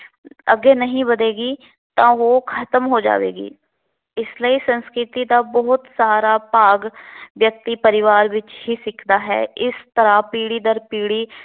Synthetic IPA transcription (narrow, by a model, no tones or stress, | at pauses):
əɡeːnəɦĩbəd̪eːɡiː | t̪ãːʋoːkʰət̪əmɦod͡ʒa̰ːʋḛːɡḭː | ɪsləisə̃nskɾɪt̪id̪aːbəɦʊt̪saːɾaːpaːɡʋjək̚t̪ipəɾɪʋaːɾʋɪt͡ʃɦiːsɪkʰd̪aːɦɛ̰ːɪst̪əɾapiːɽid̪əɾpiːɽiː